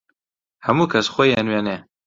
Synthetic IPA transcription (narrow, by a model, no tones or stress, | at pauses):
hɐmuːkʰɐsxʷojenweːne